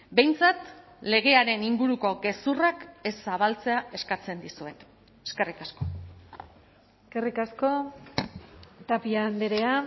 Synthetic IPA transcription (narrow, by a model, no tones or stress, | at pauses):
be̞jnt͡sat̪ | le̞ɣ̞e̞aɾe̞niŋɡuɾuko̞ɡe̞surake̞sːaβ̞alt͡se̞ae̞skat͡se̞nd̪isue̞t̪ | eske̞rikasko̞ | eskerikasko̞ | t̪apiaːnd̪eɾe̞a